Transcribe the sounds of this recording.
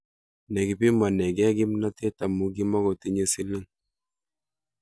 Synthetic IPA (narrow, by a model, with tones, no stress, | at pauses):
nɛ˨ɡi˨pi˦ma˨nɛ˨ɡɛ˦ɡi˦mna˦te˦ta˨mu˦ɡi˦mɔ˦ɡɔ˨ti˦ɲe˦si˦li˦ŋ